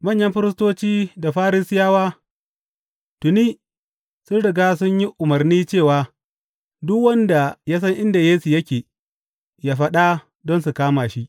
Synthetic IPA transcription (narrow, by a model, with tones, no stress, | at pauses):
mɐ˦˨ɲjɐ˦mɸɪ˦ɾɪ˦s̬toː˦t͡ʃiː˦da˨ɸaː˦ɾi˦sɪ˦jaː˦waː˦ | tʊ˨niː˦ | sʊ˦nɽɪ˨ɡaː˦sʊ˦ɲji˦ʔʊ˨mɐ˨rniː˦t͡ʃeː˦˨waː˨ | dʊ˦kwɐ˦nda˨jaː˦s̬ɐ˦ŋʔɪ˦nda˨jeː˦su˨jɐ˦kʲeː˨ | jaː˦ɸɐ˦ɗa˦ | dɔ˦nsu˨kaː˦maː˨ʃi˦ʔ